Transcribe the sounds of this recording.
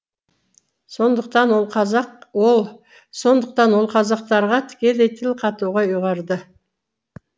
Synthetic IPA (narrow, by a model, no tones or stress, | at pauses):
so̞nd̪əqt̪ɑnwolˠqʰɑzɑqwolˠ | so̞nd̪əq̚t̪ɑnwo̞lˠqʰɑzɑq̚t̪ɑɾʁɑt̪ʰɪ̥kʲe̞let̪ʰɪlqʰɑt̪uʁɑuʁɑɾd̪ə